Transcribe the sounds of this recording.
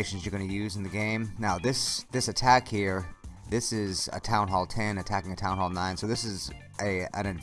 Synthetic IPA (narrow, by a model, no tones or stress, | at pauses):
ɪʃn̩zjə˞ɡʌnɨjʉzn̩ðɨɡẽɪ̃mnaʊðɪsðɪsɨtʰækhiɹðɪsɪzɨ̰tʰãʊ̃nɦɔlˠtʰɛ̃nɨtʰækɪ̃ŋɨtʰãʊ̃nhɔlˠnãɪ̃nsoʊðɪsɨz | ʔɨɨ̰̃nɨd